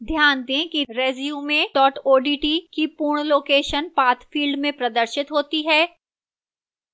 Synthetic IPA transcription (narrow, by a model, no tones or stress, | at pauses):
d̪ʱjaːnd̪ẽkiɾeːzijumẽʈɔːʈoːɖiːʈikipuːɾɳ̃loːkeːʃənpaːt̪ʰfʰiːlɖmẽpɾɐd̪əɾʃɪt̪ɦoːt̪iɦɛː